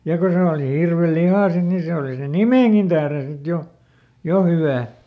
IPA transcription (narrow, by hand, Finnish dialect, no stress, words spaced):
jɑ ko se oˑli hirʋelihɑˑ sit ni se oˑli sen̆ nimeˑŋkin tæhren sit jo jo hyʋæː